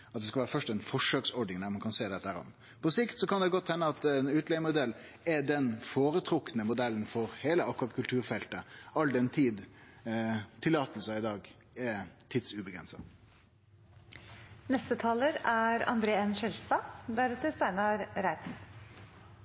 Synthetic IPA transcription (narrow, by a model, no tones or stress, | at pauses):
ɑt̪d̪ɛskɑʋæːɾəfœʂʈɛɪnfɔʂøːksɔɖɳɪŋnæːɾmɑnkʰɑnseːd̪ɛt̪ːæːɾɔ̰m | pʰɔsɪkt̪sɔkɑnd̪ɛɡɔt̪ːhɛnːəɑt̪ɛnʉːt̪lɛəmʊd̪ɛlː | ɛd̪ɛnfoːɾət̪ʰɾʊknəmʊd̪ɛlən̩fɔɾheːləɑkːʊʁɑt̪̚kʰʉlt̪ʰʉːɾfɛlt̪əɑld̪ɛnt̪ʰiːd̪ | t̪ʰɪlːɑːt̪əlsəɪd̪ɑːɡ | ɛt̪ʰiːd̪sʉbəɡɾɛ̰nsɑ | nɛst̪ət̪ʰɑːləɾæɾɑ̰nd̪ɾeːɛnʃɛlst̪ɑːd̪æɾɑt̪əst̪æɪnɑɾɾæɪt̪n̩